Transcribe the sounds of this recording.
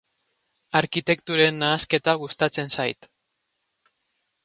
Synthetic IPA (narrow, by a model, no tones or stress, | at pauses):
aɾkit̪e̞kt̪uɾenːaːske̞t̪aɣust̪at͡se̞nsajt̪